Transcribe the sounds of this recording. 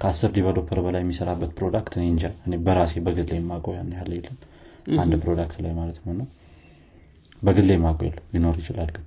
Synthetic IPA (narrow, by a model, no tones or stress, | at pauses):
kʰəasːɨɾd̪iβad̪opʰːəɾbəlajːɛmːisəɾabːət̪pʰɾo̞d̪akt̪ɨneɲd͡ʒaɨne̞bəɾase̞bəɡɨlːemːakʼojanːjalːjɛlːəm | and̪pʰɾod̪akt̪la̰jmalət̪nəwnːaw | bəɡɨlːemːakʼoja̰lːəmbino̞ɾjɪt͡ʃɪlalɡɨn